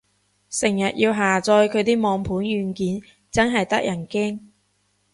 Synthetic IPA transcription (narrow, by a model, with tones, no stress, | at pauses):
sɪ˨˩ŋjɐ˨t̚jiː˧wɦaː˨˩t͡sɔː˧jkʰɵ˨˧t̪iː˥mɔː˨˧ŋpʰuː˨˥nɥyː˨˧nkiː˨˥n | t͡sɐ˥nɦɐ˨jt̪ɐ˥k̚jɐ˨˩nkɛː˥ŋ